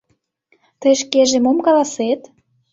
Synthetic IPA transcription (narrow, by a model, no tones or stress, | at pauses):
t̪əjʃ̬keʒemomkɑlɑset̪